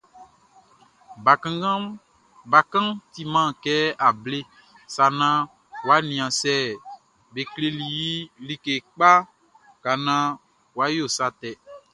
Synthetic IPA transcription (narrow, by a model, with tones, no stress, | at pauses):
ã˦ɡa˦ | ba˨kã˦t̪i˨mã˦˨kɛ˦a˨ble˦ | sa˨nã˦ | wa˦nĩ˨ã˨sɛ˦˨ | be˨kle˨li˨ji˦li˨ke˨k͡pa˦ | ka˨nã˦ | wa˦jo˦˨sa˦t̪ɛ˨